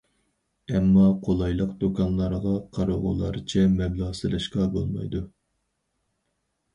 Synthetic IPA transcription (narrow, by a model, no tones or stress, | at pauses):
ɛmːɑqʰolˠɑjlˠəqd̪̥okʰɑnlˠɑɾʁɑqʰɑɾoʁʊ̰lˠɑ̰ɾɨt͡ʃʰɛmɛblˠɑsɨlɪʃqɑbo̰lˠmɑ̰jd̪u